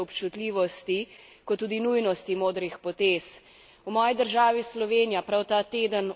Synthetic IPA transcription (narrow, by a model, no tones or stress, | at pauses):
ɔpt͡ʃut̪lʲiːʋɔst̪i | kɔt̪ːuːd̪inujnɔst̪imoːd̪ɾixpɔt̪eːs | wmɔːjid̪əɾʒaːʋislɔʋeːnijapɾawt̪aːt̪eːd̪ən